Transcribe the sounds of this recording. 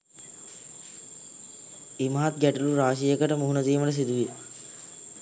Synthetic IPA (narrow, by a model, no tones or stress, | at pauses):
imaɦat̪̚ɡæʈuluɾaːʃ̬ijəkəʈəmuɦunət̪iːməʈəs̬id̪uʋijə